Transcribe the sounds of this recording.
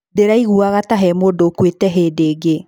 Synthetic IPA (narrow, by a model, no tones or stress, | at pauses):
deɾaiɣuaɣataɦɛmodokwetɛɦeːdeːɡe